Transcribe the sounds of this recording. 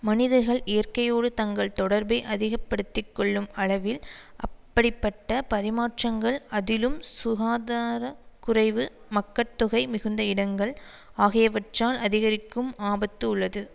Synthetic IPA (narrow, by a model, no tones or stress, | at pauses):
mɐnɪðɐɾɣɐɭʔɪjɐɾkɐjoːɽɯt̪ɐŋɡɐɭt̪ɔɽɐɾbɐɪʔɐðɪɣɐpːɐɽɯt̪ːɪkːɔɭːɯmɐɭɐʋɪlʔɐpːɐɽɪpːɐʈːɐpɐɾɪmaːʈt͡ʃrɐŋɡɐɭɐðɪlɯmsʊɣaːðaːɾɐkʊrɐɪʋɯ | mɐkːɐt̪ːʊɣɐɪmɪɣɯnd̪ɐɪɽɐŋɡɐɭ | aːɣɪjɐʋɐʈraːlʔɐðɪɣɐɾɪkːɯmaːbɐt̪ːɯʊɭːɐðɯ